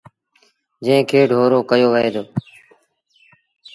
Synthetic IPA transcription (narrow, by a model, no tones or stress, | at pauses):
d͡ʒə̃ɪ̃ːkʰeːɖʱoːɾoːkəjoːʋəɦeːd̪oː